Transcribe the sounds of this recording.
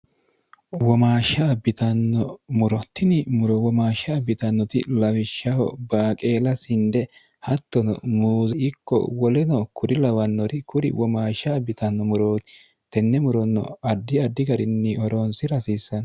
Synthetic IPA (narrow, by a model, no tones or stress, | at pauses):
wɔmaːʃɐbɪt̪ɐnːɔmʊɾɔt̪ːɪnɪmʊɾɔwɔmaːʃɐːbɪt̪ɐnːɔt̪ɪ̰lɐwɪʃːɐhɔ̰baːkʼeːlɐsɪnd̪ɛ | hɐt̪ːɔnɔ̰muːzɛɪkːɔ̰wɔlɛnɔkʰʊɾɪlɐwɐnːɔɾɪkʰʊɾɪ̰wɔmaːʃɐbɪt̪ɐnːɔmʊɾoːt̪ɪ̥ | t̪ɛnːɛmʊɾɔnːɔ̰ɐd̪ːɪɐd̪ːɪɡɐɾɪnːɪɔɾoːnsɪɾɐsiːsːɐn